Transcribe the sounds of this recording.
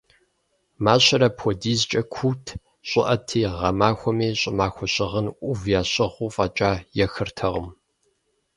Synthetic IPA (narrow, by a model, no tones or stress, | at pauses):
maːɕɐɾɐpʰɔdiːzt͡ʃʼɐkʷʰuːtʰ | ɕʼɪʔɐtʰiːʁɐmaːxʷɔmeːɕʼɪmaːxʷɔɕʼɪʁənʔʷʊvjaːɕʼɪʁʷuːfʼɐːt͡ʃʼaːjɛxɨrtʰɐʁəm